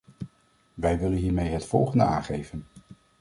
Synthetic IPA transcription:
ʋɛjʋɪlənɦiːɹmejɦətfɔ̰lˠχəndəa̰ːnχejvən

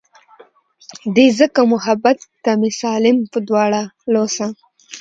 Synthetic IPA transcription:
d̪ezəkamʊɦabat̪ːamɪsɑlɪmpəd̪wɑɽalosa

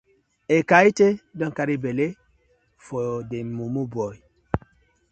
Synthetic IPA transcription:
ekaitedɔŋkaɾibele | fodemumubɔj

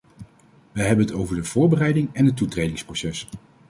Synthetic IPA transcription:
ʋəɦɛbənɦətowvəɹdəv̥ʊːɹbərɛjdɪŋɛnɦətːutrejdɪŋsprosɛs

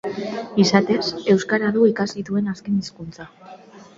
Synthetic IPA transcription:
isat̪e̞se̞wskaɾaðuikasit̪ue̞naske̞niskunt͡sa

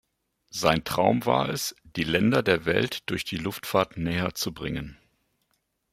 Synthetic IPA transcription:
z̥aɪntʁ̥aʊmva̰ːɐɛsd̥iːlɛndɐdeːɐvɛ̰ltd̥ʊɐçd̥iːlʊftfaɐtnɛːɐt͡subʁɪŋən

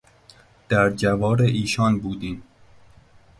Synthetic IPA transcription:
d̪̥æɾd͡ʒævɒːɾeʔiːʃɒːnbuːd̪iːm

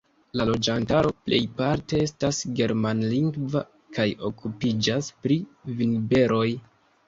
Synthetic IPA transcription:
lalo̞d͡ʒantaɾo̞plʔe̞̰jpaɾte̞e̞stasɡe̞ɾmanliŋɡva | kajo̞̰kʰupid͡ʒaspɾiviŋbe̞ɾʔo̞j

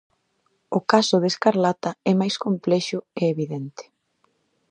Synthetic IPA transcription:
ʊkasʊðeskaɾlat̪aɛmajskomplɛʃʊeeβiðɛnt̪ɪ̥

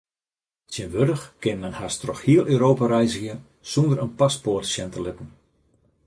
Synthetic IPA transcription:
sjənʋødəxkɪnmɛnhastrɔxhiəlˠʔøːɾoːpaɾɛjzəxjə | sundəɾənpasportsjɛntəlɪtn̩

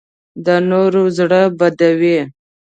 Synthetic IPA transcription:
d̪ənoɾozɽəbad̪awe

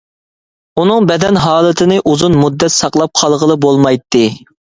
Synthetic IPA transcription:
unɨŋbɛd̪ɛnɦɑːlˠɨt̪ʰɪnɨʔuzunmud̪ːɛt̪sɑqlˠɑp̚qʰɑlˠʁəlˠɨbolˠmɑjt̪ːɨ

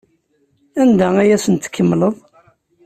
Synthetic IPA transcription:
ænd̪ææjæsənt̪ə̥kːəmːləðˤ

